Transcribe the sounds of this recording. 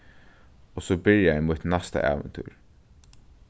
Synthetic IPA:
ɔsoːbɪɾjajmut̪nast̪a̰ʔɑ̰ːʋə̰nt̪ʰy̰ːɹ

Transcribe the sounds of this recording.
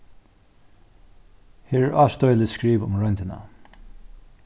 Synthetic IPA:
hɪːɹɛɹʔɑːst̪ɔjlɪskɹiːvʊ̰mɹœnt̪ɪna̰

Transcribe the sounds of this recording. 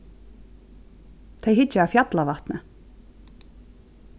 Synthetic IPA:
θʰejɦɪt͡ɕːaafjat̪lavaht̪nɪ

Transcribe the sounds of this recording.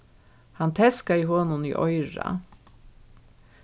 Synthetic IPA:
hɑnt̪ʰɛskɑiːhɔːnʊnḭːʔɔʏɹɑ̰

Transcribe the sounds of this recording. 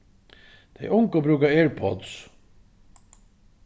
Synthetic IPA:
d̪̥ʰejʔʊŋkəbɾʉːkaeːɹpʰɔ̰d̪s

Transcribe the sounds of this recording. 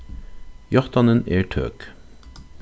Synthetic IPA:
jɑʁt̪ɑnəneːʈʰø̰ːk

